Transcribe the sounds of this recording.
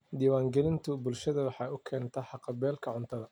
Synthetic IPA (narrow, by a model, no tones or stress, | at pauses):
d̪iːwaːŋɡɛlɪnt̪ʰʊbʊlʃɐðɐwɑħɑːʊkʰɛːnt̪ʰɐħɑqɑbɛːlkʰɐʕʊnt̪ʰɐðɐ